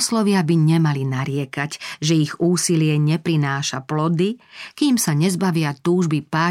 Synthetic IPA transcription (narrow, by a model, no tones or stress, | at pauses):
slɔʋɪabiɲɛmalinaɾɪɛkacʒɛiɣuːsilɪɛɲɛpɾinaːʃaplɔd̪ikiːmsaɲɛzbaʋɪat̪uːʒbipaː